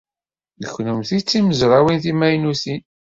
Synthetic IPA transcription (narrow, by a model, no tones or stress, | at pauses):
ðəçːnʊmθit͡sːiməzɾˤawinθimæjnusin